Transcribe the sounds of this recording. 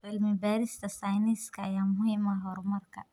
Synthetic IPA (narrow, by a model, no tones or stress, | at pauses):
fɪlmɪbaːɾɪst̪ʰɐsajnɪskʰɐːjaːmʊhiːmaɦɔːrmɐrkʰɐ̰